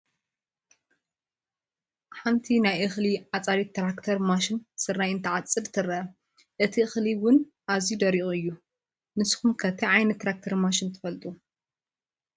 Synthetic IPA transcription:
ħant̪ʰinajʔɨxliʕat͡sʼaɾit̪ːɾakt̪ʰɐɾmaʃɪnsɨɾːajɨnt̪ʰɐʕat͡sʼːɨd̪t̪ʰɨɾɐɐ | ʔɨt̪ʰiɨxliwʊn | ʔazid̪ɐɾiʔuɨjːu | nɨsxumkʰɐt̪ʰiʕajnɐt̪ːɾak̚t̪ʰɐɾmaʃɪnt̪ʰɨ̥fɐlt̪ʼu

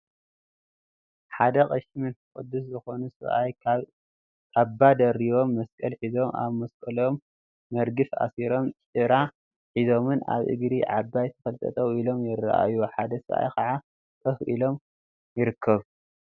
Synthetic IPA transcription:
ħad̪ɐqʼɐʃmɨnkʼɨ̰d̪ːus̬zɨxo̞nusɨβʔajkʰaβ | kʼabːad̪ɐɾiβo̞mːɐskʼɐlħizo̞ma̰βmɐskʼɐlo̞mː | ɐɾɡɨfa̰siɾo̞mt͡ʃʼɨɾa | ħizo̞mɨna̰βʔɨ̰ɡɾiʕabːajt̪ʰɐfɐlt̪ʼɐ̰t̪ʼɐwilo̞mjɪra̰ʔa̰juħad̪ɐsɨβʔa̰jkʰɐʕa | kʰʼɐfʔilo̞m | jɪɾɨkʰːɐβ

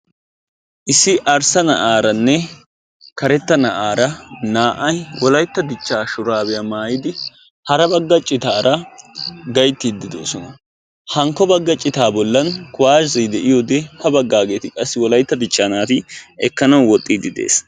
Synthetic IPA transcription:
ʔɪsːɪʔɐɾsɐnɐʔaːɾɐnːɛ | kɐɾɛt̪ːɐnɐʔaːɾɐnaːʔɐjwɔlɐjt̪ːɐb̪ɪt͡ʃːaːʃʊɾaːbɛjɐmaːjɪd̪ɪ | hɐɾɐbɐɡːɐt͡ʃʼːɪt̪aːɾɐ | ɡɐjt̪ːid̪ːɪd̪o̰ːsɔnɐ | hɐŋkːɔbɐɡːɐt͡ʃʼːɪt̪aːbɔlːɐnkʊwaːd͡ʒɐjd̪ɛʔɪjod̪ɛhɐbɐɡːaːɡe̞ːt̪ɪkʼɐsːɪwɔlɐjt̪ːɐb̪ɪt͡ʃːaːnaːt̪ɪɛ̰kːɐnɐwwɔt̪ʼːiːd̪ɪd̪ḛːs

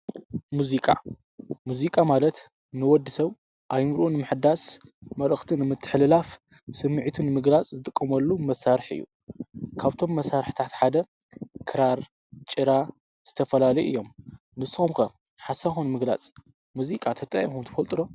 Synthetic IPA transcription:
muzikʼa̰ | muzikʼamalɐt̪ | nɨwɔd̪ːɨsɐβ | ʔajmɨɾʔunɨmɨħɨd̪asmɐlɨxt̪ʰinɨmɨt̪ʰːɨ̥ħlɨlaf | sɨmːɨʕit̪ʰɨnmɨɡlat͡sʼzɨt̪ʼɨkʼːɐmɐlːumɐsaɾɨħɨ̰jːṵ | kʰaβt̪ʰo̞mːɐsaɾħt̪ʰat̪ħad̪ɐ | kʰɨɾaɾ | t͡ʃʼɨɾa | z̥ɨt̪ʰɐfɐlalɐjʔɨ̰jːo̞mː | ɨsomkɐ | ħasaxunmɨɡla̰t͡sʼ | muzikʼat̪ʰɐt̪ʼɐʔʼimxunt̪ʰɐ̥fɐlt̪ʼɨɾo̞

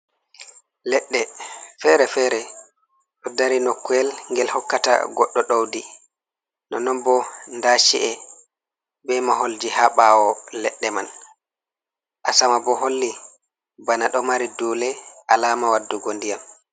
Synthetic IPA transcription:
lɛɗːɛfɛɾɛfɛɾɛ | ɗɔdaɾinokːɛlŋɡɛlhɔkːata̰ɡɔɗːɔɗawdi | nɔnɔnbɔndaʃiʔɛ | bɛmaɦold͡ʒihaɓawɔlɛɗːɛman | ʔasamabɔɦolːi | banaɗɔmaɾiduːlɛʔalaːmawadːuɡondijam

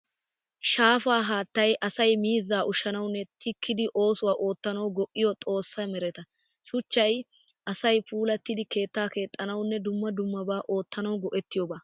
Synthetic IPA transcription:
ʃaːfaːɦaːt̪ːɐjʔɐsɐjmiːzːaːʔʊʃːɐnɐwnːɛt̪ʰɪkːɪd̪ɪʔo̞ːsʊwaːʔo̞ːt̪ːɐnɐwɡɔʔːɪjɔt̪ʼo̞ːsːɐmɛɾɛt̪ɐ | ʃʊt͡ʃːɐj | ʔɐsɐjpuːlɐt̪ːɪd̪ɪke̞ːt̪ːaːke̞ːt̪ʼːɐnɐwnːɛd̪ʊmːɐd̪ʊmːɐbaːʔo̞ːt̪ːɐnɐwɡɔʔɛt̪ːɪjɔːbaː

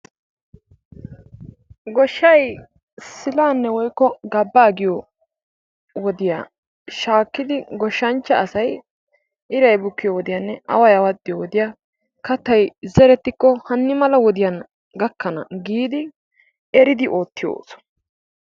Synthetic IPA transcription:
ɡɔʃːɐj | sɪlaːnːɛwɔjkːɔɡɐbːaːɡɪjɔ | wɔd̪ɪja̰ | ʃaːkːɪd̪ɪɡɔʃːɐnt͡ʃːɐːsɐj | ʔɪɾɐjbʊkːɪjɔwɔd̪ɪjanːɛʔɐ̰wɐjawɐd̪ːɪjɔwɔd̪ɪja | kɐt̪ːɐjzɛɾɛt̪ːɪkːɔhɐnːɪmɐlɐwɔd̪ɪjan | ɡɐkːɐnɐ̰ɡiːd̪ɪ | ɛɾɪd̪ɪʔo̞ːt̪ːɪjo̰ːsɔ̥

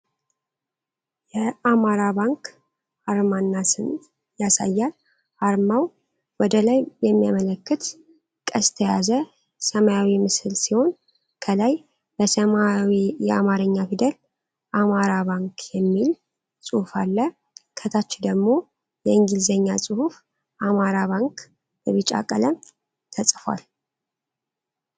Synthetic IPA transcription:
jɛamaɾaβaŋk | aɾmanːasɨn | jasa̰jːal | haɾmaw | wɔd̪əlajjɛmːijamələkːɨt̪ | kʼəst̪ʰəjazə | səmajawimɨsɨlsiho̞n | kʰəlaj | bəsəmawijɛamaɾɨɲːafid̪əl | ʔamaɾaβaŋkʰjɛmːil | sʼuhufalːə | kʰət̪ʰat͡ʃːɪd̪əɡmo̞ | jɛɨŋɡilzəɲːasʼɨhuf | ʔamaɾaβaŋk | bəβit͡ʃʼa̰kʼːə̰ləm | t̪ʰəsʼfwa̰l

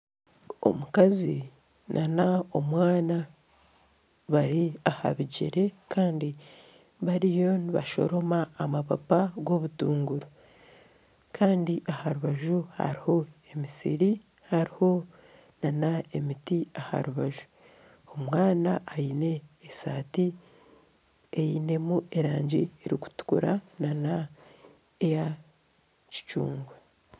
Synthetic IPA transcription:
o̞̰mukazi | nʔanao̞mwaːna | βaɾiaha̰βiɟḛɾe̞kaːndi | βaɾijo̞niβa̰ʃo̞̰ɾo̞maːmapa̰paɡo̞βutuːŋɡuɾo | kʰaːndiʔahaɾuβaʒuha̰ɾiho̞emisḭɾi | haɾiho̞ | nanae̞mitiaha̰ɾuβaʒu̥ | omwaːnaːjine̞ːsaːti | ejine̞muʔe̞ɾaːɲɟieɾiku̥tu̥kṵɾanana | eja | ci̥t͡ʃṵːŋɡwe

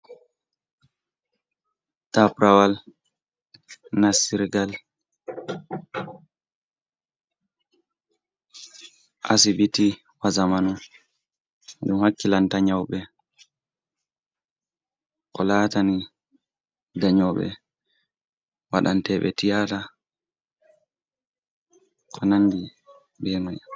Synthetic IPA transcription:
tapɾawal | nasiɾɡal | ʔasibiti | wazamanu | ɗumhakːilantaɲawɓɛ | kɔlaːtani | daɲɔɓɛ̰ | waɗantɛɓɛ̰tijata | kʰɔnanːdi | bɛmaj

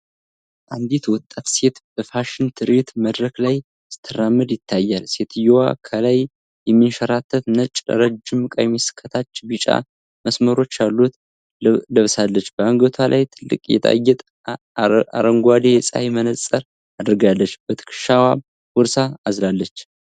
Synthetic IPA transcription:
ʔand̪et̪wɔt̪ʼːat̪se̞t̪b̥əfaʃɪnt̪ʰɨɾet̪məd̪ɾəklaj | st̪ʰəɾamːɨd̪jɪt̪ʰːajːalse̞t̪ʰɨjowa̰kʰəlaj | jɛmːinʃəɾat̪ʰːət̪nət͡ʃʼə̰ɾəd͡ʒɨmːɨkʼa̰jmːisɨ̥kʰːət̪ʰat͡ʃːbɨt͡ʃʼa̰ | məsməɾo̞t͡ʃːalːut̪ | ləβsalːət͡ʃːb̥əaŋɡət̪ʰalʔa̰jt̪ʰɨlːɨ̰kʼjɛ̰t̪ʼa̰jːɛt̪ʼ | aɾəŋɡwad̪esʼa̰jmənət͡sʼːəɾ | ad̪ɾɨɡalːət͡ʃːb̥ət̪ʰɨ̥kʰɨ̥ʃawa | wɔɾsaːzlalːət͡ʃː

